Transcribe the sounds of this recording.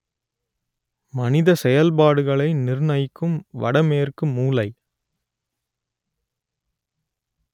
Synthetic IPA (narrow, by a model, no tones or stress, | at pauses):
mɐnɪðɐsɛjɐlpaːɽɯɣɐɭɐɪnɪrɯnɐjkːɯmʋɐ̰ɽɐmeːrkɯmːuːlɐɪ